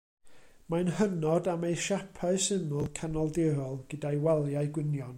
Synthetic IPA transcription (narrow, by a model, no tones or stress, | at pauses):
manhənɔdamejʃapʰaɨsɪnʊlˠkʰanɔlˠdɪɾɔlˠɡ̥ədajwalˠjaɨɡwɪnjɔn